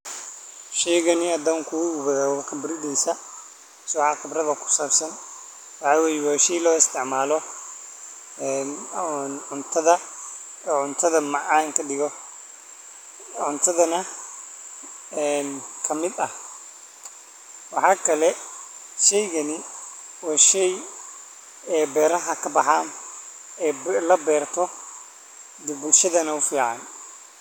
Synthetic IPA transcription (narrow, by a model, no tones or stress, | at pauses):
ʃɛjɣɐnɪɐd̪ɔːŋkʰuʊɡʊβɐðaːkʰɐbɪɾɪd̪ɛjsɐ | sɔʕɑːqɪbrɐðɐkʰʊ̥saːbsɐn | wɑħɑːwɛːjɛwaːʃɛjlɔːɪst̪ʰɪʕmaːlɔ | ɛːnnʕʊnt̪ʰɐðɐ | ʕʊnt̪ʰɐðɐmɑʕaːŋkʰɐɖɪɣɔ | ʕʊnt̪ʰɐðɐnɐ | ɛːnkʰɐmɪd̪ɐh | wɑħɑːkʰɐlɛʃɛjɣɐnɪ | wɑːʃɛj | ɛːbɛːɾɐɦɐkʰɐbɑħaːm | ɛːlɐbɛːrt̪ʰɔ | d̪ʊbʊlʃɐðɐnɐʊfiːʕɑ̰n